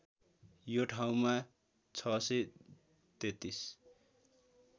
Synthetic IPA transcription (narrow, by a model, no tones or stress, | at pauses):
joʈʰaw̃ma | t͡sʰʌse | t̪et̪is